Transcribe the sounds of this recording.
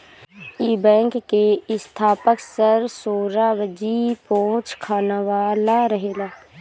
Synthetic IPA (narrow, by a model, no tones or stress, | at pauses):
iːbɛ̃ːŋkːeɪst̪ʰaːpəksəɾsoːɾaʋəd͡ʒipõːt͡ʃkʰaːnaʋaːlaɾəɦeːlaː